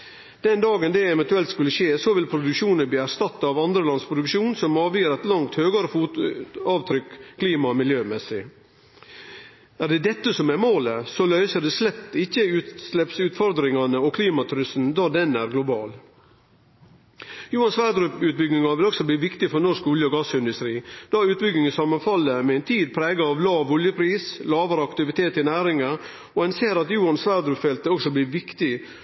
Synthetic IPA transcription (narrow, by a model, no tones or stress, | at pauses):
d̪̥ɛnd̪ɑːɡənd̪ɛɛʋɛnt̪ʉɛlt̪skʉlːəʃeːsɔʋɪlpʰɾʊd̪ʉkʂuːnənb̪iːæɾʂt̪ɑt̪ːɑʋɑnd̪ɾəlɑnspʰɾʊd̪ʉkʃuːnsɔmɑːʋjiːɾɛɪt̪lɑŋt̪høːɡɑɾəf | ɑːʋt̪ʰɾʏkkʰliːmɑmɪljøːmɛsɪ | æɾɖ̪ɛd̪ɛt̪ːəsɔmæɾmoːləsɔlœʏsəɖ̪ɛslɛt̪ːɪçːəʉt̪slɛpsʉːt̪fɔɾd̪ɾɪŋɑnəɔkʰliːmɑt̪ʰɾʏsnd̪ɑd̪ɛnæɾɡlʊbɑːl | juːɑnsʋæːɾd̪ɾʉpʉːt̪̚bʏɡnɪŋɑʋɪlɔɡsɔbliːʋɪkt̪ɪfɔɾnɔʂkɔljəɔɡɑsɪnd̪ʉst̪ɾiːd̪̥ɑʉːt̪̚bʏɡɪŋəsɑmːɑnfɑlːəmɛɛɪnt̪ʰiːd̪pʰɾeːɡɑɑʋlɑːʋɔljəpʰɾiːslɑːʋɑɾəɑkt̪ɪʋɪt̪ʰeːt̪ɪnæːɾɪŋɑ | ɔhɑnseːɾɑt̪juːɑnsʋæɾd̪ɾʉfɛlt̪əɔɡsɔbliːʋɪkt̪ɪ